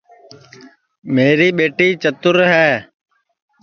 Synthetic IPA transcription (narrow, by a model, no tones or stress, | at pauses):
meːɾiːɓeːʈiːt͡ʃət̪ʊɾɦɛː